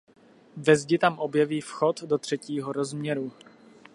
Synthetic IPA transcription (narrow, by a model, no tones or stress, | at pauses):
vɛzɟɪt̪amʔo̞bjɛviːfxo̞t̪dot̪r̝̥ɛciːɦoɾo̞zmɲɛɾu